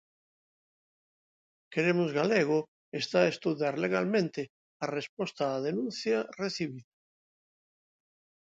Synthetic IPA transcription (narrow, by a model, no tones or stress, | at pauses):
keɾemʊzɣaleɣʊ | est̪aest̪uðjaɾleɣalmẽnt̪ɪ | arespɔst̪aːðenũnθjareθiβiða